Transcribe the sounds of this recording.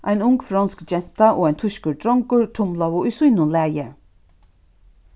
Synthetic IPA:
ʔajnʊŋɡfɾɑnskd͡ʒɛn̥t̪aʔoːaɪjnt̪ʰʊʃkəɹd̪ɾɔŋkʊɹt̪ʰʊmlaʋʊʔʊjsujnʊnlæːjə

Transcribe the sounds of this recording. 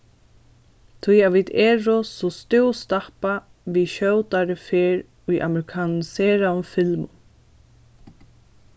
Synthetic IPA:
t̪ʰʊjaviːd̪ɛːɾʊsɔst̪ɪwst̪ahpa | viʃœːwt̪aɾɪfeːɾ | ʊjʔa̰mɛɾɪkʰaːnnsɛːɾaʏmfɪlmʊ̰

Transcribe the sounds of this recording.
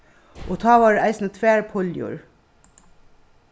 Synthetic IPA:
ʔoːt̪ʰɑːʋɑːɖʔæɪsn̩ət̪ʰʋæːɹpʰɔljṵːɹ

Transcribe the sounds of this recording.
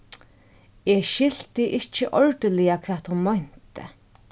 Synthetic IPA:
ɛʃɪl̥t̪ɪʔɪht͡ʃːɪʔɔɹt̪əlɪjakʰvɛːt̪hʊnmɔn̥t̪ɪ̰

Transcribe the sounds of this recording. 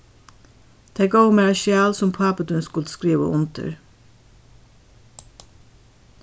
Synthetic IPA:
d̪̥eːɡoʊmɛːʃjæːlsʊmpʰɑːpəd̪ʉnskʊlt̪skɾiːʋə̰ʔʊnt̪ʰə̰ɹ

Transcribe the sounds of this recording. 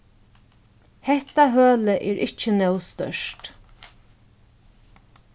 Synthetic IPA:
hɛht̪aɦøːləʔɛːɹʔɪht͡ʃːənœwst̪œ̰ʂt

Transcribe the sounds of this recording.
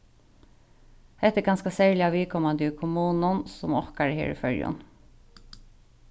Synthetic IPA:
hɛt̪ːɛɡɑnskɑsæːɹlɪaʋiːkʰɔmɑnd̪ɪkʰʊmuːnʊnsʊmɔhkaɹəhḛːɹḭfœɹjʊ̰n

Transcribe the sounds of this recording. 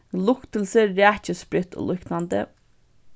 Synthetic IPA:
lʊkt̪əl̩səɾæːçəspɾʏt̪ʰo̰ːlʏknand̪ə̰

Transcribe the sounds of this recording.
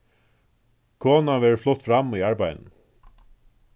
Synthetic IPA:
kʰoːnaʋɛːɹflʊt̪ːfɾamːiaɹbajnn̩

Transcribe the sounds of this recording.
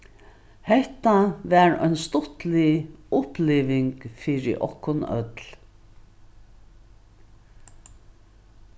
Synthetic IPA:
hɛht̪aʋæɹœ̰jnst̪ʊht̪lɪʊpliːʋɪŋkfiːɾɪ̰ʔɔ̰hkːʊnœ̰t̪l

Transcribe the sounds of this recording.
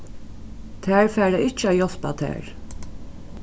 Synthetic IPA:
t̪ʰæːɹfæːɹɾaɪt͡ʃːəæːjɔlpa̰t̪ʰæ̰ːɹ

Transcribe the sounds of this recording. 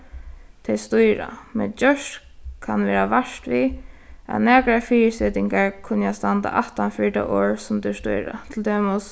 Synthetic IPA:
t̪ʰɛjst̪ʊjɾa̰mɛ̰nd͡ʒœʃt | kʰanʋɛːɹaʋaʂt̪ʋia̰næːkɾafiːsɛt̪ɪŋkaɹkʰʊnjast̪ant̪a̰ʔaht̪anfɪɹʈa̰ʔoːɹsʊmt̪ɪst̪ʊ̰jɾa̰t̪ʰɪlt̪ʰɛːmʊs

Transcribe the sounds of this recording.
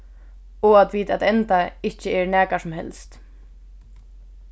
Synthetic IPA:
ɔat̪viːt̪at̪ɛnt̪aɪht͡ʃɪɛɾnɛːkasʊmhɛ̰lst̪

